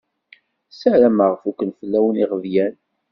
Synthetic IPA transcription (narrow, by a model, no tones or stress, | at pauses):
səɾæməʁfukʷənfəlːæwəniʁəvjæn